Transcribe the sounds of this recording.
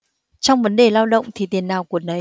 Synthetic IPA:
t͡ɕɔ˧wŋ͡mvə˨˦nɗe˨˩laː˧wɗə̰˧˨wŋ͡mt̪ʰi˨˩t̪i˨˩ənːaː˨˩wku˧˩ənə˨˩

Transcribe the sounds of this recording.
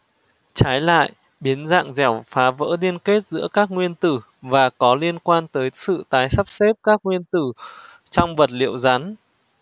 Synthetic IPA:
t͡ɕaː˨˦jla̰ː˧˨j | ɓi˨˦ənza̰ː˧˨ŋzɛ˧˩wfaː˨˦və̰ː˧˥ɗi˧ənke˦˥t̚zɨ̰˧˥əkaː˦˥k̚ŋwi˧ənt̪ɨ˧˩ | vaː˨˩kɔ˨˦li˧ənkwaː˧nt̪əː˨˦jsɨ̰˧˨t̪aː˨˦jsa˦˥p̚se˦˥p̚kaː˦˥k̚ŋwi˧ənt̪ɨ˧˩t͡ɕɔ˧wŋ͡mvə˨˩t̚lḭ˧˨əwza˨˦n

